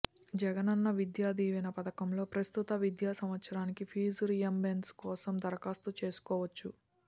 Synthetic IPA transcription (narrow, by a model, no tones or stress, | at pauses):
d͡ʒɛɡɐnɐnːɐʋid̪jaːd̪iːʋɐnɐpɐt̪ɐkɐmlo̞ːpɾɐst̪ut̪ɐʋid̪jaːsɐmʋɐt̪sɐɾaːnikipʰiːzɾijɐmbenskɔːsɐmd̪ɐɾɐkaːst̪ut͡ʃe̞ːsu̥kɔːʋɐt͡ʃːu